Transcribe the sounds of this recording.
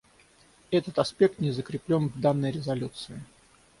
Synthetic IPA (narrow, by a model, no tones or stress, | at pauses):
ɛt̪ət̪ɐspʲe̞k̚t̪nʲɪzəkɾʲɪplʲo̞nvd̪anːəjɾʲɪzɐlʲut̪sɨɪ